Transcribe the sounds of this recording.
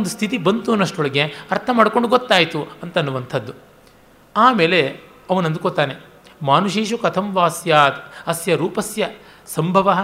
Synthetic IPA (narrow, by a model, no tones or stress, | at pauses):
ond̪ust̪ʰit̪̬ibɐnt̪unːɐʂʈoɭɐɡe̞ɐɾt̪ʰɐmaːɽkoɳɖuɡot̪ːaːjit̪uɐnt̪ɐnːuʋɐnt̪ʰɐd̪ːu | aːmeːle | ɐʋɐnɐnd̪ukot̪aːne | maːnuʃiːʃɐkɐt̪ʰɐmʋaːsjaːt̪ɐsjɐɾuːpɐsjɐ | sɐmbʱɐʋɐɦɐ